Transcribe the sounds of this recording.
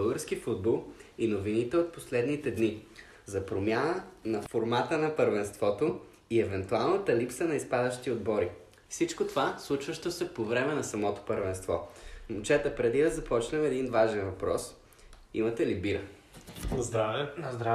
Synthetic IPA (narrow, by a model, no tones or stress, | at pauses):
blˠɡəɾsk̟ifud̪̚bolˠinovinit̪ɛot̪̚poslɛd̪nit̪ɛd̪ni | zɐpɾomʲjanənɐfoɾmat̪ənɐpəɾvɛnst̪vɔt̪o | iɛvɛnt̪ualˠnət̪əlipsənɐispad̪əʃt̪iod̪̚bɔɾi | fsit͡ʃkot̪ovaslˠut͡ʃvɐʃt̪osɛpovɾɛmɛnɐsɐmɔt̪o̥pəɾvɛnst̪vɔ̰mʊt͡ʃɛt̪əpɾɛd̪id̪ɐzɐpɔt͡ʃnɛmɛd̪invaʒɛnvɐpɾɔ̰s | ḭmɐt̪ɛlibiɾə | ɾ